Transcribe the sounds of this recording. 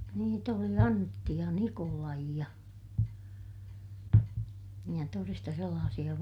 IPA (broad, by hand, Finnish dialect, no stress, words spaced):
niːt oli ɑntːi jɑ nikolɑi jɑ jɑ torestɑ selːɑːsij̆ɑ